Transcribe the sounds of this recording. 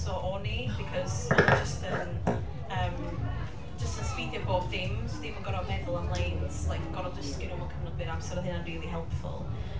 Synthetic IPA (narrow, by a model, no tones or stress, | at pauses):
sɔʔɔnib̥ikʰɔz̥d͡ʒəstʰən | əːm | d͡ʒəstənspiːdjɔboːθɪmzdiboɡɔɾɔmɛðʊlˠəmlˠejnz̥lˠajkʰəɡɔɾɔd͡ʒəskɪɾʊmɔkʰəmnɔd̚bɨnab̥sərɾhɪnənriːlˠiɦɛlˠpfʊ̰lˠ